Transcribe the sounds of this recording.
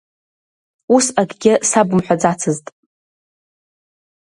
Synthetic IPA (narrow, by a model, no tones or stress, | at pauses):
usaɡʲɡʲɪsabɨmħʷad͡zat͡sʰɨztʼ